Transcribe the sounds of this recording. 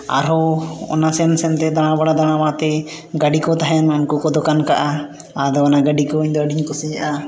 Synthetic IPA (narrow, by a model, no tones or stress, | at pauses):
a̰ɾɔɔ̰nasɛnsɛnt̪ɛd̪aɽ̃ãbaɽad̪aɽ̃amat̪ɛ | ɡaɖikɔt̪aɦɛnunkɔkɔd̪ɔkankaʔa | ad̪ɔɔnaɡaɖikɔuɲd̪ɔəɖiɲkɔsijaʔa